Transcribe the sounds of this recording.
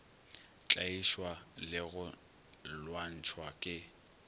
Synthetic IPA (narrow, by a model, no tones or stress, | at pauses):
t͡ɬʼaiʃwalɪɣʊ | lwan̩t͡ʃʰwakʼɪ